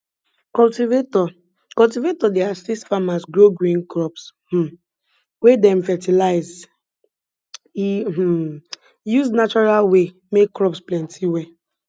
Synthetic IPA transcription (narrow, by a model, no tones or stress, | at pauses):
kɔltivetɔ | kɔltivetɔdeasistfamasɡɹoɡɾĩnkɹɔpsh̩ | wedɛ̃ɱfɛtilaɪz | i | juznat͡ʃɔɹalwe | mekːɾɔpsplɛ̃ntʰiwɛ